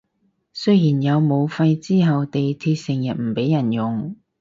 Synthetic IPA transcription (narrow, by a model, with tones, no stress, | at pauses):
sɵ˥jjiː˨˩njɐ˨˧wmo˨˧wfɐ˧jt͡siː˥ɦɐ˨wt̪e˨jt̪ʰiː˧t̚sɪ˨˩ŋjɐ˨t̚m̩˨˩pe˨˥jːɐ˨˩njʊ˨ŋ